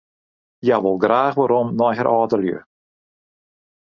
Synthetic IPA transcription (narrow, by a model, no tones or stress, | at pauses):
jaʋɔlˠɡraːxʋaɾɔmnɔjɦɛɾʔɔːtəljø̰